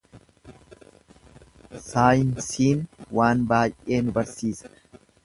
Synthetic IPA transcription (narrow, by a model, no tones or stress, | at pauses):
saːjɪnsiːnwaːnbaːjʔe̞ːnʊbɐɾsiːsɐ̥